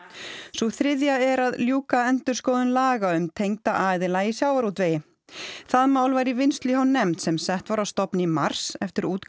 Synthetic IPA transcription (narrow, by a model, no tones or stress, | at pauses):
suθɾɪðjaɛɾaðljuːkaɛnt̪ʏɾ̥skɔːðʏnlaːɣaʏmt̪ʰejŋt̪aʔaːjðɪlaisjawvaɾut̪ʰvejɪ | θaðmaːwlvajɾɪvɪnst̪liɦɔnːɛmt̪sɛmsɛht̪vaɾawst̪ɔpnɪimaɾ̥sɛft̪ɪɾuːt̪